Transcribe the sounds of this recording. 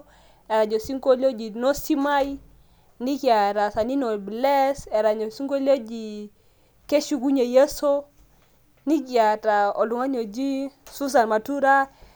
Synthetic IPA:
e˨ɾa˨ɲo˨si˦ŋko˦lo˦d͡ʒi˨nɔ˦si˦ma˦i˦ | ni˦kja˨ɾa˨sa˨ni˦nɔ˨blɛ˦sɛ˨ɾa˨ɲo˨si˦ŋɡo˦lo˦d͡ʒi˨ | ke˦ʃu˦ɡu˦ɲe˨je˦so˦ | ni˦ki˨a˨ta˨ɔ˨lu˨ŋa˦ɲo˨d͡ʒi˦su˦s̬a˨nma˨tu˦ɾa˦

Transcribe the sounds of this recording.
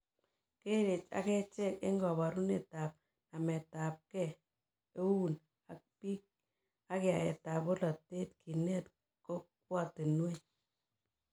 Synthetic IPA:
ke˦ɾe˨t͡ʃa̰˦kɛ˦t͡ʃɛ˦ke˦ŋɡɔ˨βa˨ɾu˦ne˨ta˨p̚ | na˨mɛ˨ta˨p̚kɛ˦˨ | e˦wu˦n | a˨k̚pi˦k̚ | a˦kea˨e˨ta˨po˦lɔ˨te˦t̚ki˨nɛ˦t | ko˦k̚wɔ˦˨ti˨nwe˦

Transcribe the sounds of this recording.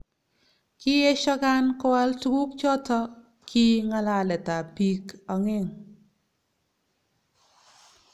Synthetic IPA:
ki˦ɛ˦ʃɔ˦ka˦nkɔ˦a˦ltu˦ɡu˦k̚t͡ʃɔ˦tɔ˦ | kʰi˦ŋa˦la˨lɛ˨ta˨pi˦kɔ˨ŋɪ˦ŋ

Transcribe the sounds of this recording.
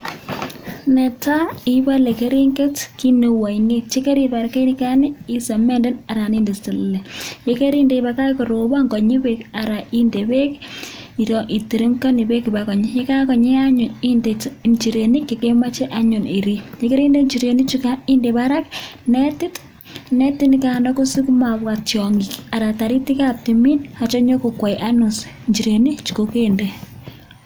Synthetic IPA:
nɛ˨ta˦i˦ba˦le˨ke˦ɾi˦ŋɡe˦tki˦ne˨wa˨ine˦t͡ʃe˦ke˦ɾi˨ba˨ɾke˦nika˦nɪ˦i˦sa˨mɛ˦ndɪ˦na˨ɾa˨ni˦nde˨stɪ˨lːe˨jeke˦ɾi˦nde˨ba˨ka˦ko˨ɾo˨ba˦ŋɡɔ˨ɲi˦beka˨ɾa˨ʔi˦nde˨be˦ki˨ɾɔ˨ʔi˨ti˨ɾi˦mka˦ni˨be˦ki˨ba˦kɔ˨ɲ˦je˦ka˦kɔ˨ɲe˦a˦ɲʊ˨ni˦ndeɲt͡ʃi˨ɾe˨ni˦keke˦ma˦t͡ʃe˦ʔa˦ɲo˨ni˨ɾi˦je˦ke˦ɾi˦nde˦ɲt͡ʃi˨ɾe˨ni˦t͡ʃukai˦nde˨βa˦ɾa˦k̚ne˦ti˦t | ne˦ti˦nikanɔ˦ko˦si˦ku˦ma˨βwa˨t͡ʃjɔ˨ŋɡi˨ka˨ɾa˨ta˨ɾi˦ti˦kap̚ti˨mi˦na˨t͡ʃo˦ɲo˦ko˨kwa˨iʔa˦no˨s | ɲd͡ʒi˨ɾe˨ni˦t͡ʃu̥˨koke˦nde˨

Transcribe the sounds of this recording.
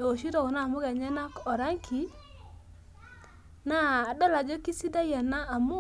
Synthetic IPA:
o˨ʃi˦ɾɔ˨kna˦˨mʊ˦ɡa˨ɲɛ˦na˦kɔ˨ɾa˦ŋkʰi˨˦ | na˦˨dɔ˦la˨d͡ʒɔ˦ki˦si˦da˦jɛ˨naː˦˨mʊ˦

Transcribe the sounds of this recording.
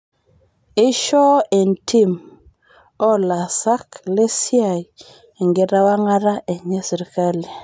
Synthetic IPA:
i˦ʃo˦e˨ntʰi˦m | o˦la˨sa˦kle˦si˦a˨j | e˨ŋɡe˨ɾa˦wa˦ŋa˦ɾa˦ʔe˨ɲe˦si˨ɾka˦li˨

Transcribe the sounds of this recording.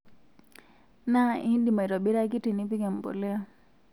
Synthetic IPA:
na˦ʔĩ˦ndi˨ma˨jɾɔ˨bi˦ɾa˦k̬i˦ʈi˨ni˦pi˦ke˨m˨po̰˨le˦

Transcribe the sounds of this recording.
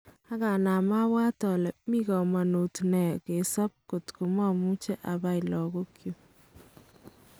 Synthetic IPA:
a˦ka˨na˨ma˦wa˦tɔ˨lɛ˨mi˦kɔ˨ma˨no˨tnɛ˨ke˨sa˦p̚ko˨tku˨ma˦mu˦t͡ʃɛ˦ʔa˨ba˦jlɔ˨ɡo˦kjo˦

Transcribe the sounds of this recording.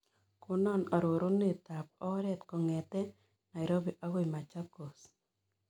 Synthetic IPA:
kʊ˦nɔ˦˨na˨ɾo˨ɾo˦ne˦˨t̪a˨pɔ˦ɾɛ˦t̪kɔ˨ŋɛ˨t̪ɛ˦ | na˨i˨ɾo˦be˨ʔa˦ɣo˦jma˨t͡ʃa˦ko˨s

